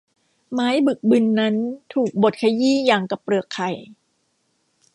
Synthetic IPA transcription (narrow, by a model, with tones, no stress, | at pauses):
maː˦˥jbɯ˨˩k̚bɯ˧nːa˦˥nt̪ʰuː˨˩k̚bo˨˩t̪̚kʰa˧jiː˥˩jaː˨˩ŋka˧˨˩pɾɯ˨˩əkʰːa˨˩j